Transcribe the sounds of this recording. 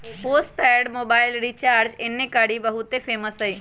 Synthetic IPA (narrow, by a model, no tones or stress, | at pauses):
poːsʈpɛːɖmoːbaːɪlɾit͡ʃaːɾd͡ʒɪnːẽkaɽibəɦut̪epʰeːməsɦɐiː